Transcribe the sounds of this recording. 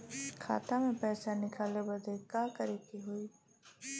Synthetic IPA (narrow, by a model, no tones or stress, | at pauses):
kʰa̰ːt̪amẽpɛːsanɪkʰaːlebɐd̪ʱekaːkəɾeːkiɦʊiː